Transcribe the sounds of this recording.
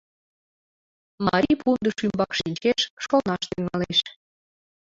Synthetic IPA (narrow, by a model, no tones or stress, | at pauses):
mɑɾʲipʰund̪əʃymbɑkʃinʲt͡ɕeʃʃonɑʃt̪yŋɑleʃ